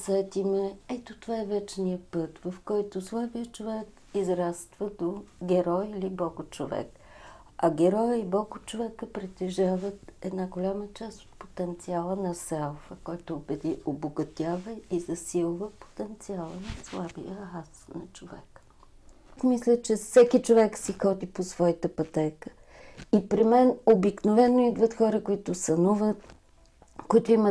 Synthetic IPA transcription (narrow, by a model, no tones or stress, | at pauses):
sɛɛt̪imɛɛt̪ot̪ovaɛvɛt͡ʃnijəpɤt̪vɐfkɔjt̪ʊslˠabijət͡ʃovɛk | izɾast̪vəd̪oɡɛɾɔjilibɔɡʊt͡ʃovɛ̰k | ɐɡɛɾɔjəibɔɡʊt͡ʃovɛkəpɾɛt̪ɛʒavət̪ɛd̪naɡolʲamət͡ʃast̪o̥t̪̚po̥t̪ɛnt̪sialˠənɐsɛlˠfəkɔjt̪oːbɛd̪iʔoboɡɐt̪ʲavɐizɐsilˠvəpo̥t̪ɛnt̪sialˠənɐslˠabḭjəasnɐt͡ʃovɛ̰kə̥ | kmislʲət͡ʃɛfsɛkit͡ʃovɛksixɔd̪iposvɔjit̪əpɐt̪ɛkə̥ | ipɾimɛnobiknovɛnːoid̪vət̪xɔɾəkoit̪ʊsɐnuvət̪ | koit̪ʊimə